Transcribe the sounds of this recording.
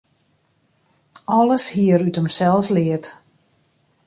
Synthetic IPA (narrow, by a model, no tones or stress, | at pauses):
ɔləshiəɾytəmsɛlˠslɪət